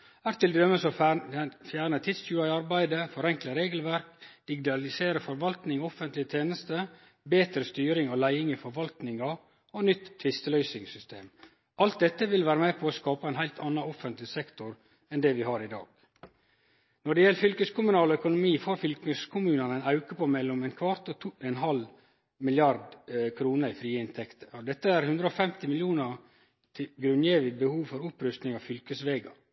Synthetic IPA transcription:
æːɾt̪ɪld̪ɾœməsɔ | fjæːɳət̪ʰɪd̪sʉːɑɪɑɾbæɪd̪əfɔɾɛŋkləɾeːɡəlʋæɾk̚d̪̥ɪɡɪt̪ɑlɪseːɾəfɔɾʋɑlt̪nɪŋɔfənt̪lɪət̪ʰeːnəst̪ə | beːt̪ɾəst̪yːɾɪŋɔlæɪɪŋifɔɾʋɑlt̪nɪŋɑ | ɔnʏt̪ʰːʋɪst̪əlœʏsɪŋsʏst̪ḛːm | ʔɑlt̪̚d̪ɛt̪ːəʋɪlʋæːɾəmepʰɔːskɑːpɑæɪnhæɪlt̪ʰɑnɑɔfənt̪lɪsɛkt̪ʊɾ | ɛnd̪ɛʋɪɦɑːɾɪd̪ɑ̰ːɡ̥ | nɔɖɛjɛlːəfʏlkəskʊmʉnɑːlɔœkʊnʊmiːfoːɾfʏlkəskʰʊmʉːnɑnæɪnɑʉkəpomɛlːɔmɛnkʰʋɑɾt̪ɔt̪ʰuɛnɦɑl | mɪlɪɑɾd̪kʰɾuːnəɾɪfɾiːəɪnt̪ʰɛkt̪ʰə̥ɔd̪ɛt̪ːəæɾhʉnd̪ɾəɔfɛmt̪ɪmɪljuːnə | t̪ʰɪɡɾʉnjeːʋɪbəhuːʋfɔɾʊpɾʉst̪nɪŋɑʋfʏlkəsʋeːɡɑ

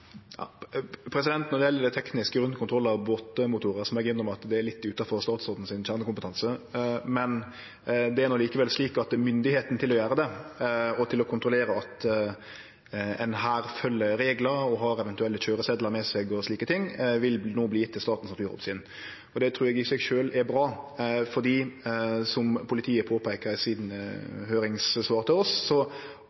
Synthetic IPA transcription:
jɑ̰pʰɾɛsɪd̪ɛnt̪nɔɾd̪ɛjɛlːəd̪ɛɪt̪ʰɛknɪskəɡɾʉnkʰʊnt̪ʰɾɔlːəɑʋboːt̪əmʊt̪ʰuːɾəsɔmɛɡʏnːəɾɔmɑt̪d̪ɛæɾlɪt̪ːʉːt̪ɑfɔɾst̪ɑːt̪soːd̪n̩sɪnçæːɾnəkʰʊmpət̪ʰɑnsəmɛn | d̪ɛæɾnɔkliːkəʋɛlsliːkɑt̪ɛmʏnd̪ɪheːt̪nt̪ɪlɔjæːɾəd̪ɛ | ɔt̪ʰɪlɔkʰʊnt̪ɾʊleːɾəɑt̪ | ɛnɦæːɾfœlːəɾeːɡləɾɔɦɑɾɛʋɛnt̪ʉɛlːəçøːɾəsɛd̪ləɾmɛsɛɡɔsliːkət̪ʰɪŋːʋɪlnoːbliːɪt̪ʰːɪlst̪ɑːt̪n̩snɑt̪ʉːɾɔ̰psɪːn | ɔd̪ɛt̪ʰɾʉːɾɛɡɪsɛɡʃøːlɛɾbɾɑːfɔd̪iːsɔmpʰʊlɪt̪ʰiːəpʰoːpʰæɪkəɾsiːd̪nəhøːɾɪŋssʋɑːɾt̪ʰɪlɔsːɔ

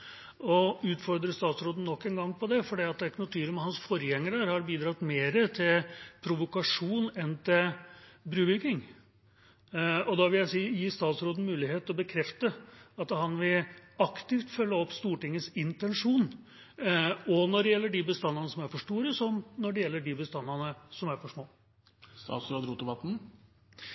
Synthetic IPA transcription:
ɔʉːt̪fɔɾd̪ɾəst̪ɑːt̪sɾoːd̪n̩nːɔkːɛnɡɑŋːpʰɔd̪ɛfɔɖiːɑt̪̚ɛkːnʊt̪ʰyːɾəmhɑnsfɔɾəjɛŋːəɾəɾhɑɾbiːd̪ɾɑt̪meːɾət̪ʰɪlpʰɾʊʋʊkɑʂuːnɛnt̪ɪlbɾʉːʋɪɾkɪŋ | ɔd̪ɑʋɪljæɪsiːjiːst̪ɑːt̪sɾoːd̪n̩mʉːlɪheːt̪ɔbəkʰɾɛft̪əɑt̪hɑnʋɪɑkt̪ɪft̪fœlːəɔpːst̪uːʈɪŋːəsɪnt̪ɛnʂuːn | ɔnɔɖɛjɛlːəɖibəst̪ɑnːɑnəsɔmæɾfɔʂʈuːɾəsɔmnɔɖɛjɛlːəɖibəst̪ɑnːɑnəsɔmæɾfɔʂmoː | st̪ɑ̰ːt̪sɾoːd̪ɾuːt̪əʋɑt̪n̩

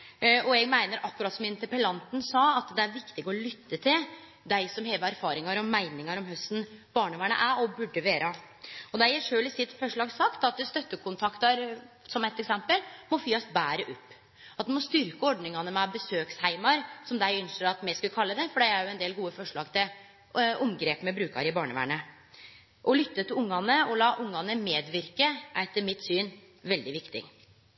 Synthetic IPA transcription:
ɔɛɡmæɪnəɾʔɑkːʉɾɑːt̪sɔmɪnt̪əɾpəlɑnt̪ənsɑːɑt̪d̪ɛæɾʋɪkt̪ɪɡɔlʏt̪ːət̪ʰɪl | d̪æɪsɔmɦeːʋəæɾfɑːɾɪŋɑɾɔmːæɪnɪŋɑɾɔmhœst̪n̩b̥ɑːɳʉmæɳə̰ʔæɾɔbʉɖːəʋeːɾə | ɔd̪ɛæjæʂøːlɪsɪt̪ːfɔʂɭɑːɡsɑkt̪ɑt̪əst̪œt̪ːəkʰʊnt̪ʰɑkt̪ɑɾ | sɔmɛt̪ːɛksɛmpəlmɔfyːɑsbæːɾəʔʉpː | ɑt̪̚d̪ɛmɔst̪ʏɾkəɔɖnɪŋɑnəmɛɑbəsøːkshæɪmɑɾsɔmd̪æɪʏnʂəɾɑt̪mæskʉlkʰɑlːəd̪ɛfɔɖɛɪæɾjʊɛnd̪eːlɡuːəfɔʂɭɑ̰ːɡt̪ʰɪl | ʊmɡɾeːpmɛbɾʉːkɑ̰ɾɪbɑːɳəʋæ̰ːɳə | ʔɔlʏt̪ːət̪ʰɪlʊŋːɑnəɔlɑːʔʊŋːɑnəmeːd̪ʋɪɾkəʔæt̪ːəɾmɪt̪ːsyːn | ʋɛld̪ɪʋɪkt̪ɪ̰

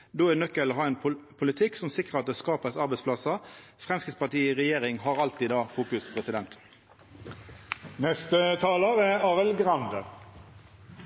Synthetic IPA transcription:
d̪oːɛnœkːəlɦɑːɛːnpʰʊlɪt̪ʰɪksɔmsɪkʁəʁɑt̪̚d̪ɛːskɑːpəsɑʁbɛɪspʰlɑsəfʁɛmskɪt̪spʰɑʈiːiʁɛjeːʁɪŋɦɑʁɑlt̪ɪd̪ɑːfuːkʉspʰʁɛsɪd̪ɛnt̪ | nɛst̪ət̪ʰɑːləʁəɑːʋəlɡʁɑnd̪ə

